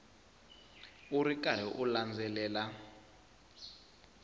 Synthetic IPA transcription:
uɾikaɾ̤ɛʔuland͡zʱɛlɛːla

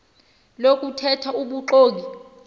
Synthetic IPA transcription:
lokʼutʰɛtʰauɓuǃoːki

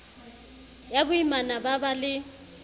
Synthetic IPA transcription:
jabʊimanababalɪ

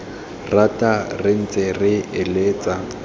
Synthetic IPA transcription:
ratʼarɪn̩t͡sʼɪrɪɪleːt͡sʼa

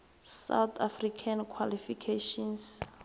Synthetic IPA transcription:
sa̰wt̪ʰafrikʰankʰwalifikʰeʃɔns

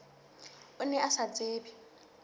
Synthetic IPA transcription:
ʊnɛʔasat͡sʼeːbi

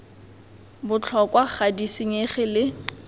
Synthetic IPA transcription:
bʊt͡ɬʰɔkʼwaχadisiɲeχɪlɪ

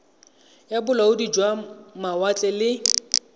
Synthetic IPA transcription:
jabʊlaʊdid͡ʒwamawat͡ɬʼɛlɪ

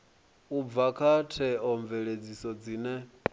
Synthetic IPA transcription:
ub̪vakʰatʰɛɔɱvɛɺed͡zisɔd͡ziːnɛ

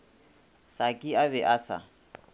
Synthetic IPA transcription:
sakʼiabɛʔasa̰

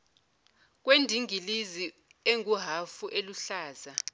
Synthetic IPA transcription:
k̬wendʱiŋilizi | eŋuɦafuʔeluɬaːza

